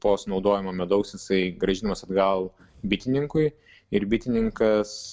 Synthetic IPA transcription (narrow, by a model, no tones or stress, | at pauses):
poːsnɒʊd̪oːjɪmoːmʲɛd̪ɐʊksjɪsɐɪɡɾɐʒʲɪnɐmɐsɐd̪ɡɐlˠ | bʲɪt̪ʲɪnʲɪŋkʊɪ | ɪɾbʲɪt̪ʲɪnʲɪŋkɐs